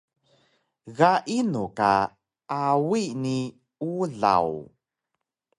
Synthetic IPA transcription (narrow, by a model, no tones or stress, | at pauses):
ɣaʔinuka̰ | awini | uɮa̰w